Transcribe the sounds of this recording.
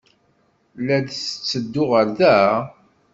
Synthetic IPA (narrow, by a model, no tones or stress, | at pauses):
læd̪sət͡sːəd̪ːʊʁəɾðæ